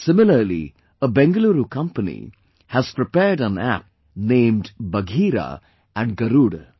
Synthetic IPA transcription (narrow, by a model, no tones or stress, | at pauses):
sɪmɪləɾlḭ | əbɛ̃ŋɡəluːɾukʌ̃mpənḭ | hæz̥pɾɪpɛɖə̃næ̰p̚ | nẽːmɖbɐɡʱiːɾa̰ | æ̃ɳɖɡɐɾuːɖ